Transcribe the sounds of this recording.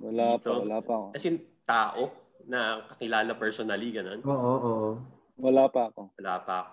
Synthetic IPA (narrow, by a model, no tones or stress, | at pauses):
wɐlaːp̪owɐlaːpɐɐkokɐsɛjʊŋt̪aːʔo | nɐkɐkɪlaːlɐpɛɹsonɐliɡɐno̞noːʔoʔoʔo | wɐlaːpɐɐko̞wɐlaːpɐʔɐko